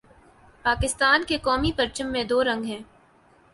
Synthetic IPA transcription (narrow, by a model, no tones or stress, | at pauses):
paːkɪst̪aːnkekɔːmipɐɾt͡ʃəmːẽd̪oːɾɐ̃ŋɡɦɛ̃ː